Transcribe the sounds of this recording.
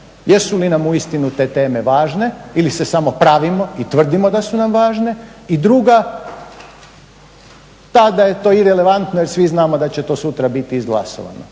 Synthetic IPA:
jesulinamuist̪inut̪eːt̪e̞ːme̞ʋaːʒne̞ilise̞samo̞pɾaʋimo̞it̪ʋr̩d̪imo̞d̪asunamʋaːʒne̞id̪ɾuɡa | t̪ad̪aje̞t̪o̞ːiɾele̞ʋant̪nojeɾsʋiznaːmo̞d̪at͡ɕet̪o̞ːsut̪ɾabit̪iːzɡla̰so̰ʋa̰no̰

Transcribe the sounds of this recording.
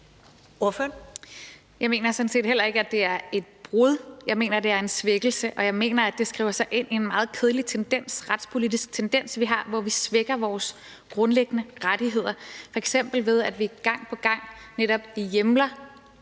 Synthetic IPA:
oɐføɐn | jɑ̈ɪme̝̰ːnɐsɒ̽n̩se̝̰ːd̥hel̰ɐe̝ɡ̥əæd̥e̝æɐe̝d̥̚b̥ʁuð̞ˠjɑ̈ɪme̝̰ːnɐd̥e̝æɐe̝nsʋeɡ̥l̩səʔɒ̽jɑ̈ɪme̝̰ːnɐæd̥e̝sɡ̥ʁḭʊɐsɑ̈ɪʔe̝n̰ie̝nmɑ̈ːð̩ˠkʰe̝ð̞ˠlit͡sʰend̥en̰sʁad̥spʰo̝lid̥isɡ̥t͡sʰend̥en̰sʋiɦɑ̈ʋɒʋisʋeɡ̥ɐʋɒːs | ɡ̥ʁɔ̽nleɡ̥ənəʁad̥iɦe̝ð̞̰ˠɐfɒ̽eɡ̥sem̰b̥l̩ʋe̝ð̞ˠæd̥ʋiɡ̥ɑ̈ŋ̰pʰɒ̽ɡ̥ɑ̈ŋ̰neɾɒ̽b̥ijemlɐ

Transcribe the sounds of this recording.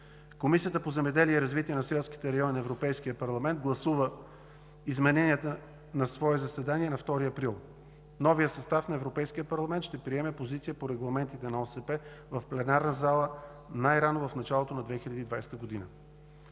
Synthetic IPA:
komisijət̪əpozɛmɛd̪ɛliɛiɾɐzvit̪iɛnɐsɛlˠski̥t̪ɛɾɐjɔninɐɛvɾopɛjskijəpɐɾlˠɐmɛnt̪̚ɡlˠɐsuvə | izmɛnɛniɛt̪ə | nɐsvɔɛzɐsɛd̪aniɛnɐft̪ɔɾiɐpɾilˠ | nɔvijəsɐst̪afnɐɛvɾopɛjsk̟ijəpɐɾlˠɐmɛnt̪ʃt̪ɛpɾiɛmɛpozit̪sijəpoɾɛɡlˠɐmɛnt̪it̪ɛnɐɔsɛpɛ | vɐfplɛnaɾnəzalˠə | najɾanovɐfnɐt͡ʃalˠot̪onɐd̪vɛxilʲɐd̪iːd̪vajst̪əɡod̪inə̰

